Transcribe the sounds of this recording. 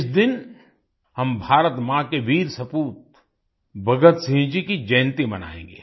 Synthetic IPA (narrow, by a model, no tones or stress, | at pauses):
ɪsd̪ɪn | hɐmbʱaːɾət̪mãkeʋiːɾsɐpuːt̪̚ | bɐɡət̪sĩd͡ʒikid͡ʒɐjnt̪ibɐna̰ːḛ̃ːŋɡḛː